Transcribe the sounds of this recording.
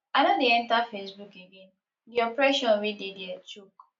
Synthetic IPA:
anodeɛ̃ntafesbukeɡen | diɔpɾɛʃɔ̃nɾidedat͡ʃuk

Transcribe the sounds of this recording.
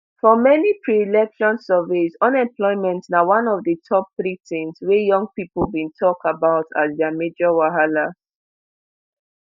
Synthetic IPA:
fɔmɛnipʰɹilɛkʃɔ̃nsɜvesɔ̃nɛ̃mplɔɪmɛ̃ntsnawãnɔvdətʰɔp̚ːɹitɪ̃nswɛjɔ̃ŋ̚pipəlbĩntʰɔkabaʊtʰa̰zdɛamed͡ʒɔwaɦalaz

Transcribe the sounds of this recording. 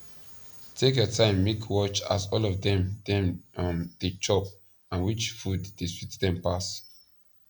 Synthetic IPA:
tʰekjɔtʰãɪ̃mːekʰwɔt͡ʃa̰sɔlɔvdɛ̃mdɛ̃mnd̥et͡ʃʰɔp | ãnwit͡ʃfuddeswitdɛ̃mpas

